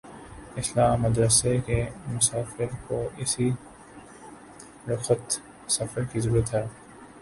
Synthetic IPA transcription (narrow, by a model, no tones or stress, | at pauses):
ɪslaːmːɐd̪ɾəsekemʊsaːfɪɾkoʔɪsi | ɾʊxət̪ | sɐfəɾkizɐɾuːɾət̪ɦɛː